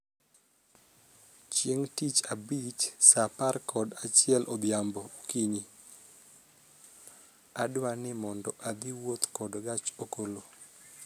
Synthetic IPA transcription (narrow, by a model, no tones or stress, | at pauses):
t͡ʃjeŋtit͡ʃabit͡ʃsaparkʰɔdat͡ʃɪɛlʔɔd̪jambɔkiɲi | adwanɪmɔndɔʔad̪ɪwot̪kɔdɡat͡ʃokolo